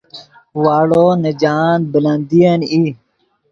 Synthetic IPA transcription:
waːɽoːnəd͡ʑaːnbəlɐnd̪ijɐni

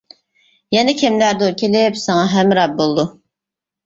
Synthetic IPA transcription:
jɛnɛkʲʰɛmlæɾd̪oɾkʲʰelɪpsɑŋɑɦɛmɾɑp̚bolˠd̪u

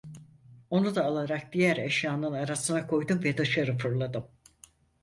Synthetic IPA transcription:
o̞nud̪aːlˠaɾak̚d̪ijæɾeʃjaːnɯnaɾasɯnakʰo̞jd̪umvɛd̪aʃaɾɯfɯɾlˠad̪ɯm

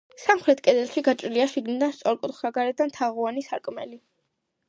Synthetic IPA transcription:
samχɾɛt̪ʰkʼɛd̪ɛlˠʃiɡat͡ʃʼɾiliaʃiɡnid̪anst̪sʼɔɾkʼṵt̪ʰχsaɡaɾɛd̪ant̪ʰaʁuanisaɾkʼmɛ̰li

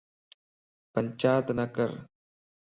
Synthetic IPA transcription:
pəɲt͡ʃaːt̪nəkə̰ɾ

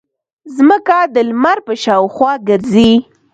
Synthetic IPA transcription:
zməkad̪əlmaɾpəʃɑwxwɑɡəɾzi

